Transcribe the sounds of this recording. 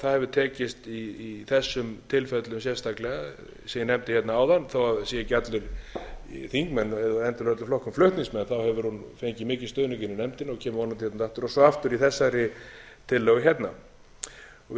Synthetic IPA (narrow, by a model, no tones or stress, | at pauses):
θaðhɛvʏt̪ʰɛːcɪst̪iːθɛsːʏmt̪ʰɪlfɛt̪lʏmsjɛst̪aklɛɣa | seːjɪnɛmt̪ɪ̥çjɛt̪naaːwðanːθowaðsiɪcat̪lʏɾ | θiŋkmɛnːɛðaɛnt̪ʏlɛt̪lʏɾflɔhkʏmflœɥht̪niŋsmɛnθawhɛvʏɾhunfejɲcɪmɪːcɪ̥st̪œːðnʏcɪnːɪnɛmt̪ɪnɔcʰɛːmʏvɔnamt̪ʰɪ̥hɛt̪naaht̪ʏɾɔsɔaft̪ʏɾiθɛsːaɾɪ | t̪ʰɪlːœːɣʏçjɛt̪na | ɔ